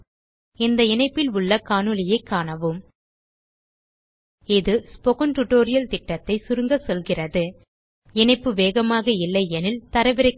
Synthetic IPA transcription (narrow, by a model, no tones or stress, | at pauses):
ɪnd̪ɐɪnɐɪpːɪlʊɭːɐkaːnɯlɪjɐɪkːaːɳɐʋɯm | ɪðɯspɔɣɐnʈʊʈːoːɾɪjɐlt̪ɪʈːɐt̪ːɐɪsʊɾɯŋɡɐsɔlɣɪrɐðɯ | ɛnɐɪpːɯʋeːɣɐmaːɣɐɪlːɐɪɛnɪlt̪ɐɾɐʋɪɾɐ